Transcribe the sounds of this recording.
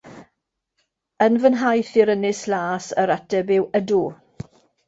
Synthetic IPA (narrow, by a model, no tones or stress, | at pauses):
ənvənɦajθɪɾənɪslaːsəɾatɛbɪwədu